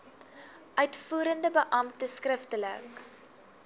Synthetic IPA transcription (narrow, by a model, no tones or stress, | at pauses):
ʔœɥtfuːɾəndəbəʔɐmtəskrəftələ̰k